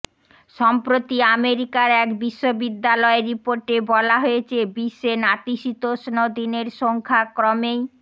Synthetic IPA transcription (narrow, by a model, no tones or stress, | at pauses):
ʃɔmpɾot̪iameɾikaɾɛkbiʃːobid̪ːalɔeɾipoɾʈebɔlaɦojet͡ɕʰebiʃenat̪iʃit̪oʃnod̪ineɾʃoŋkʰakɾɔmej